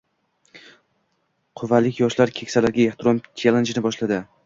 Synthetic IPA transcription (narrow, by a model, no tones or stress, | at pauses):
qʰʊvalɪkʲjɒʃlaɾkʲʰe̞kʲsalaɾɡʲaeχt̪ʰɾɒmt͡ʃʰelˠend͡ʒnɪbɒʃlad̪ɪ